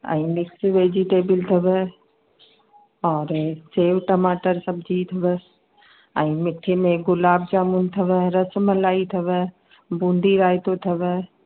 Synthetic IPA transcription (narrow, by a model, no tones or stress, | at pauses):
ɛ̰̃ːmɪksʋeːd͡ʑiʈeːbəlt̪ʰɐʋə | ɔːɾt͡ɕeːʋʈɐmaːʈəɾsɐbʱɪd͡ʑit̪ʰɐʋəs | ɛ̃ːmɪʈʰimẽɡʊlaːb̚d͡ʑaːmunt̪ʰɐʋəɾɐsəməlaːit̪ʰɐʋə̆ | bũːnd̪ʱiɾaːɪt̪ot̪ʰɐʋə